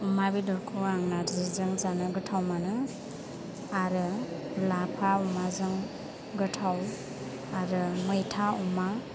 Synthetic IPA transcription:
umabidɔɾkʰuaŋnaɾzizɯŋzanɯɡɯtʰawmanɯ | aɾɯ | lapʰaumazɯŋ | ɡɯtʰaw | aɾɯmɯjtʰauma

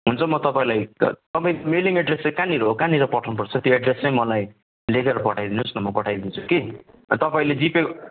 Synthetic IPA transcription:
ɦunt͡sʰʌmʌt̪ʌpaĩlajt̪ʌpaĩmeliŋeɖresekãniɾʌɦokãniɾʌpʌʈʰnupʌrt͡sʰʌt̪joeɖresʌj̃mʌlaj | lekeɾʌpʌʈʰajd̪inusnʌmʌpʌʈʰajd̪int͡sʰu̥kḛ | t̪ʌpaĩled͡zipe

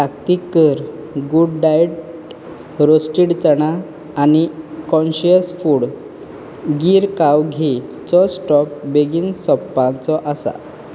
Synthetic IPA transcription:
pakt̪ikːəɾ | ɡuɽɖajʈ | ɾosʈiɽt͡səɽ̃aː | nikɔ̃nɕiəsfuːɽ | ɡiːɾkawɡʱit͡sɔsʈɔk̚beɡiːnsɔpːãnt͡sɔʔasa̰

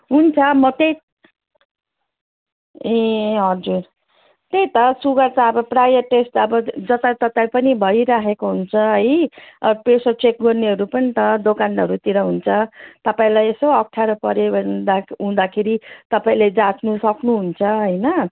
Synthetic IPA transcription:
ɦunt͡sʰʌmʌt̪ej | ẽɦʌd͡zur | t̪ejt̪ʌsuɡʌrt͡saʌbʌprajʌrʈesʈʌbʌd͡zʌt̪at̪ʌt̪ajpʌnibʱʌiɾaɦekoɦunt͡sʰʌɦʌjʌpesʌt͡sek̚ɡʌrneɦʌɾupʌnit̪ʌd̪okanʌɾut̪iɾʌɦunt͡sʰʌt̪ʌpaĩlajesoʌkʈʰjaɾʌpʌɾebʱʌd̪aɦũd̪akʰeɾit̪ʌpaĩled͡zat͡snusʌknuɦunt͡sʰʌɦʌjnʌ

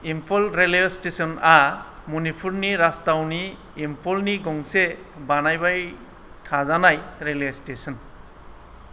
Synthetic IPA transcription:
impʰɔlɾelstesɔnamunipʰuɾniɾastawniː | mpʰɔlniɡɔŋse | banajbaj | tʰazanajɾelestesɔn

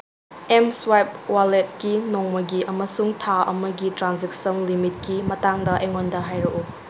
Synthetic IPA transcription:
emswajp̚walet̚kinoŋmɐɡiʔɐmɐsuŋtʰaɐ̰mɐɡitɾanzek̚sɐnlimit̚kimɐtaŋdɐʔeŋondɐɦajɾɐʔu

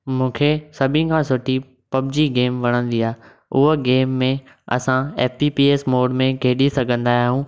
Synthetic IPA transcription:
mũːkʰesɐbʱɪ̃kʰãːsʊʈi | pɐbɪd͡ʑiɡeːmʋɐɽ̃ə̃nd̪iaːe | ʊɦoɡeːmːẽ | ɐ̰sãeːfipiːeːsmoːɖmẽkeːɗisɐɡʱə̃nd̪aːjaːɦũː

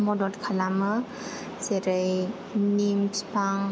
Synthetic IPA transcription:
mɔdɔtkʰalamɯ | seɾej | nimpʰi̥paŋ

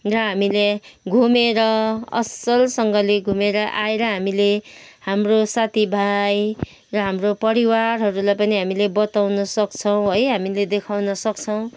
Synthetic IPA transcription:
rʌɦamileɡʱumeɾʌʌ̰sʌlsʌŋɡʌleɡʱumeɾʌʔaeɾʌɦamilehamrosat̪ʰibʱaj | rʌɦamropʌɾiwarɦʌɾulajpʌniɦamilebʌt̪awnʌsʌkt͡sʰʌw̃ɦʌjɦamiled̪ekʰawnʌsʌk̚t͡sʰʌw̃

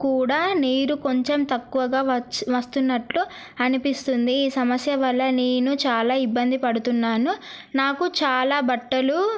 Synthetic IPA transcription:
kuːɽaːneːɾuko̞ɲt͡ʃemt̪ɐkːuʋɐɡaːʋɐʋɐst̪unːɐʈlu | ɐnipist̪und̪iiːsɐmɐsjɐʋɐlːɐneːnut͡ʃaːlaːibːɐnd̪ipɐɽut̪unːaːnunaːkut͡ʃaːlaːbɐʈːɐlu

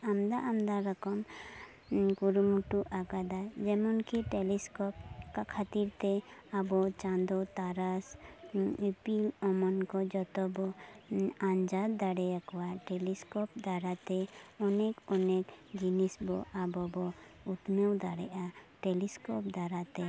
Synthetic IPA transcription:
amd̪aʔamd̪aɾɔkɔm | kuɾumuʈuʔaɡad̪ad͡ʒɛmɔnkiʈeliskɔp̚kakʰat̪iɾt̪ɛabɔt͡ʃãnd̪ɔt̪aɾas | ipilɔmɔnkɔd͡ʒɔt̪ɔbɔ | aɲd͡ʒad̪d̪aɽɛjakɔwaʈeliskɔpd̪aɾat̪ɛɔnɛkɔnɛkd͡ʒinisbɔʔabɔbɔut̪mɛwd̪aɽɛʔaʈeliskɔp̚d̪aɾat̪ɛ

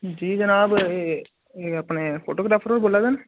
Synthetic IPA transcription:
d͡ʒiːd͡ʒənaːbe | eɐpneːpʰo̰ːʈoːkɾaːpʰəɾoːɾboːlːaːd̪en

